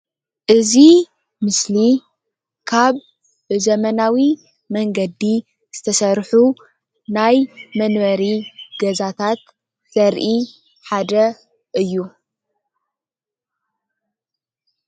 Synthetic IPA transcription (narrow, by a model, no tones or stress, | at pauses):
ʔɨzi | mɨsli | kʰaβ | zɐmɐnawi | mɐŋɡɐd̪i | z̥ɨt̪ʰɐsɐɾħu | najmɐnβɐɾiɡɐzat̪ʰat̪ | sɐɾʔi | ħad̪ɐ | ʔɨjːu